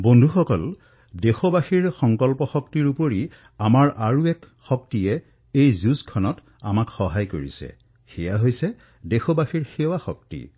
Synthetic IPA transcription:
bondʱuxɔkɔl | dexɔbaxiɹxɔŋkɔlpɔxɔktiɹupoɹi | amaɹʔaɹuɛk | xɔk̚tijɛ | ejzuskʰɔnɔt | a̰makxɔɦajkoɹḭsɛ̰ | xɛjaɦojsɛ | dexɔbaxiɹxewaxɔk̚tḭ

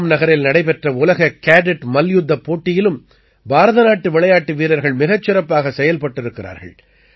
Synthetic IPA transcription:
mnɐɣɐɾɪlnɐɽɐɪpɛʈrɐʊlɐɣɐkaːɖɪʈmɐljʊd̪ːɐpːoːʈːɪjɪlɯm | baːɾɐðɐnaːʈːɯʋɪɭɐjaːʈːɯʋiːɾɐɾɣɐɭmɪɣɐt͡ʃːɪɾɐpːaːɣɐsɛjɐlpɐʈːɪɾɯkːɪɾa̰ːɾɣɐ̰ɭ

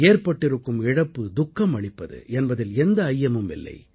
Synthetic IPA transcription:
eːrpɐʈːɪɾɯkːɯmɪɽɐpːɯd̪ʊkːɐmɐɭɪpːɐðɯ̰ɛnbɐðɪlɛnd̪ɐːjːɐmɯmɪ̰lːɐ̰ɪ

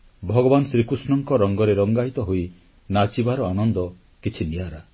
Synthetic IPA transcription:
bʱɔɡɔbanɔsɾikusnɔŋkɔɾɔŋɡɔɾeɾɔŋɡait̪ɔɦoi | nat͡ʃibaɾɔanɔnd̪ɔ | kit͡ʃʰinijaɾa

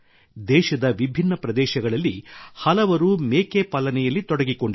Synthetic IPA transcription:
d̪ɛːʃɐd̪ɐʋibʱinːɐpɾɐd̪ɛːʃɐɡɐɭɐlːihɐlɐʋɐɾumeːkepɐlːɐnɛjɐlːit̪ɔɽɐɡikoɳɖɐ

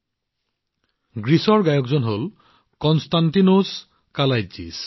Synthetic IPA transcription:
ɡɹisɔɹɡajɔkzɔnɦol | kɔnstantinos | kalajzḭs

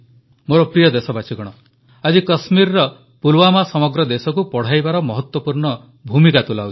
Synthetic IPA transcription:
moɾɔpɾijɔd̪esɔbat͡ʃʰiɡɔɽ̃ɔ | ad͡ʒikɔsmiɾɾɔ | pulwamasɔmɔɡɾɔd̪esɔkupɔɽ̤ajbaɾɔmɔɦɔt̪wɔpuɾɳɔ | bʱumikat̪ulawt͡ʃi̥

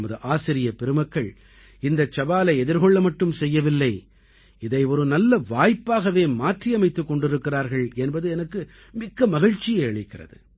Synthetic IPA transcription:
mɐðɯʔaːsɪɾɪjɐpɛɾɯmɐkːɐɭ | ɪnd̪ɐt͡ʃːɐbaːlɐɪɛðɪɾɣɔɭːɐmɐʈːɯmsɛjːɐʋɪlːɐɪ | ɪðɐɪɔɾɯnɐlːɐʋaːjpːaːɣɐʋeːmaːʈrijɐmɐɪt̪ːɯkːɔɳɖɪɾɯkːɪraːɾɣɐɭɛnbɐðɯɛnɐkːɯ | mɪkːɐmɐɣɐɻt͡ʃːɪjɐɪɐɭɪkːɪrɐ̰ðɯ̰

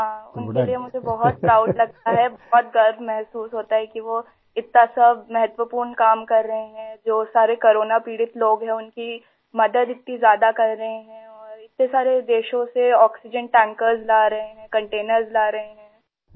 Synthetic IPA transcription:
ɦãːʊnkeliemʊd͡ʒʱebɐɦɔt̪̚kɾaːʊʈlɐɡ̚t̪aɦɛbɔɦɔt̪̚ɡɐɾbmɛɦsuːsɦoːt̪aɦɛkiʋo | ɪt̪nasɐbmɛɦət̪ʋəpuːɾnkaːmkɐɾːɐɦẽɦɛ̃d͡ʒoːsaːɾekoɾoːnapiːɽɪt̪loːɡɦɛ̃ʊnki | mɐd̪əd̪ɪt̪̚nĩzjaːd̪akɐɾːɐɦeɦɛ̃ɔːɾɪt̪̚nesaːɾed̪eːʃõseɔːksɪd͡ʒənʈɛ̃ːŋkəɾzlaːɾɐɦẽɦɛ̃kɐ̃ɳʈeːnəɾzlaːɾɐɦẽɦɛ̃ː

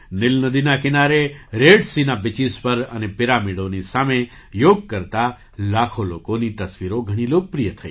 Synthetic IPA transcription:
nɪlnəd̪inakɪnaɾeɾeɖsinabɪt͡ʃispəɾənepɪɾamiɽonisame | joɡ̚kəɾt̪a | lakʰolokonit̪əsʋiɾoɡʱəɽ̃iloːk̚pɾijət̪ʰəi

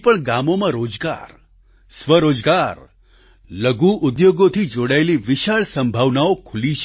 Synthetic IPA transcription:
pəɳɡamomãɾod͡ʒɡa̰ɾ | sʋəɾod͡ʒɡaɾ | ləɡuʔʊd̪joɡot̪ʰid͡ʒoɽaeliʋɪʃaɭsə̃mbʱaʋnaokʰʊliʃ

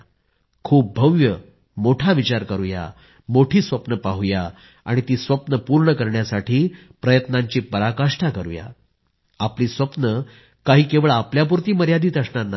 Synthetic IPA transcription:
kʰuːp̚bʱəʋjə | moʈʰaʋit͡ɕaɾkəɾuja̰ | moʈʰiːsʋəpnəpaɦuja | a̰ɽ̃it̪iːsʋəpnəpuɾɳəkəɾɳjasaʈʰiː | pɾəjət̪naɲt͡ɕiːpəɾakaʂʈʰakəɾṵja̰ | apliːsʋəpnə | kaɦiːkeʋəɭapljap̬uɾt̪iːməɾjad̪iːt̪əsɳana

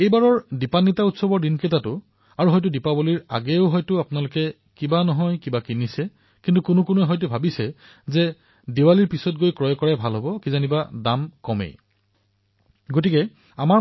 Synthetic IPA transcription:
ejbaɹɔɹdipanːitautsɔbɔɹdinketatʊ | aɹuɦɔjt̬ʊdipaboliɹa̰ɡɛʊɦɔjtʊapʊnalʊkɛ | kibanɔɦɔjkibakinisɛ | kintukʊnʊkʊnuɛɦɔjt̬ubʱabisɛ | zɛ | dewaliɹpisɔt̚ɡojkɹɔjɔkɔɹɛbʱalɦɔbɔkizanibadamkɔmḛ | ɡotikɛ | ama

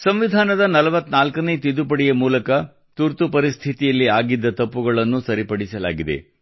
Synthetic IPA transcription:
sɐmʋid̪ʱaːnɐd̪ɐnɐlɐʋɐt̪ːnaːlkɐnet̪id̪upɐɽijɐmuːlɐkɐ | t̪uɾt̪upɐɾist̪ʰit̪ijɐlːiaːɡid̪ːɐt̪ɐpːuɡɐɭɐnːusɐɾipɐɽisɐla̰ːɡid̪ḛ

